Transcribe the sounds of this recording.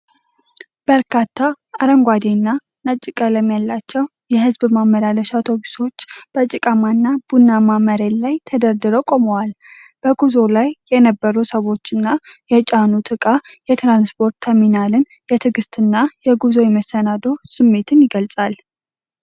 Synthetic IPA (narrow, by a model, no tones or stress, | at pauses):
b̥əɾkʰat̪ʰːaː | ɾəŋɡʷad̪enːa | nət͡ʃʼːɪkʼələmːjalːat͡ʃːɛw | jɛhɨzbmamːəlaləʃat̪ʰo̞bi̥so̞t͡ʃːb̥ət͡ʃʼːɪkʼəmanːab̥unːamaməɾenlajt̪ʰəd̪əɾd̪ɨɾo̞kʼo̞məwal | b̥əɡuzo̞lajːɛnəbːəɾusəwo̞t͡ʃːɨnːajɛt͡ʃʼanut̪ʰɨkʼajɛt̪ɾanspʰo̞ɾt̪ʰːəminalɨn | jɛt̪ʰɨɡɨst̪ʰɨnːajɛɡuzo̞jɛməsːənad̪osɨmːe̞t̪ʰɨnjɪɡəlsʼal